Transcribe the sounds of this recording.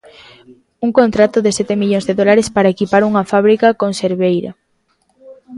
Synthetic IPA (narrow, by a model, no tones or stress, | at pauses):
uŋkont̪ɾat̪ʊðɪsɛt̪emiʎõŋzðeðolaɾespaɾɐekipaɾuŋɐfaβ̞ɾikɐkonseɾβejɾa̰